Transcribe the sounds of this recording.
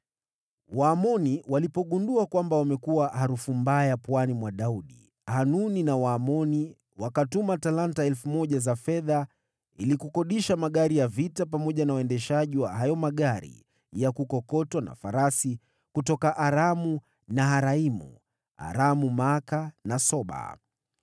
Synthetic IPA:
waːmɔniwalipɔɠunduakwambawamɛkuwahaɾufumbajapwanimwaɗauɗḭ | hanuninawaːmɔni | wakatumatalantaɛlfumɔʄazafɛða | ilikukɔɗiʃamaɠaɾijavitap̬amɔʄanawaɛndɛʃaʄiwaɦajɔmaɠaɾḭ | jakukɔkɔtwana̰faɾasi | kutɔkaʔaɾamu | naɦaɾaimṵ | a̰ɾamumakanasɔɓa̰

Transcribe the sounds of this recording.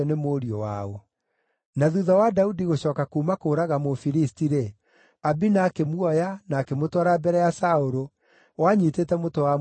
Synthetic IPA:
nemoɾiɔwaɔ | naðuðɔwadaudiɣoɕɔːkakuːmakoːɾaɣamofiɾistiɾe | abinakemwɔjanaːkemotwaɾabɛɾɛjasaoɾo | waɲiteːtɛmotowa

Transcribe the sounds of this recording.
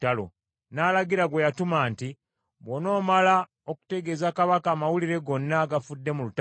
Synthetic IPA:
talo̰ | naːlaɡiɾaɡwe̞jatumaːnti | βono̞ːmala | o̞ku̥te̞ɡe̞ːzakaβakaːmawuliɾe̞ɡo̞nːaɡafudːe̞mulut

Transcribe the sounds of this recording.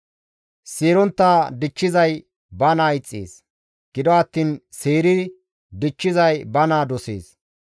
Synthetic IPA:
seːɾɔnt̪ːaːd̪ɪt͡ʃːɪzɐj | bɐnaːɪt͡sʼːḛːs | ɡ̥ɪd̪ɔɐt̪ːiːnseːɾɪ | d̪ɪt͡ʃːɪzɐjbɐnaːd̪ɔsḛːs

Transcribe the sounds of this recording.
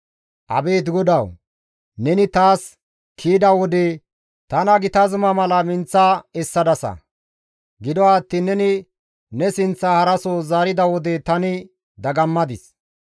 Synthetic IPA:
ʔɐ̰be̞ːt̪ɡɔd̪ɐw | nɛnɪt̪aːs | kʰiːd̪ɐwɔd̪ɛ | t̪ɐnɐɡɪt̪ɐzmɐmɐlɐmɪnt͡sːɐɛsːɐd̪ɐsɐ̰ | ɡɪd̪ɔaːt̪ːɪnɛnɪ | nɛsɪnt͡sːɐhɐɾɐsoːzaːɾɪd̪ɐwɔd̪ɛt̪ɐnɪ | d̪ɐɡɐmːɐd̪ɪs

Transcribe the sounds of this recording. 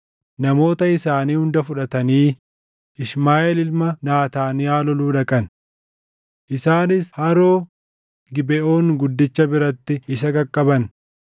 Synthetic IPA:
nɐmo̞ːt̪ɐɪsaːniːhʊnd̪ɐfʊᶑɐt̪ɐniː | ɪʃmaːʔɛlɪlmɐnaːt̪aːnɪjaːlɔluːᶑɐkʼɐn | ʔɪsaːnɪshɐɾoː | ɡɪbɛʔo̞ːŋɡʊd̪ːɪt͡ʃːɐbɪɾɐt̪ːɪɪsɐɡɐkʼːɐbɐn

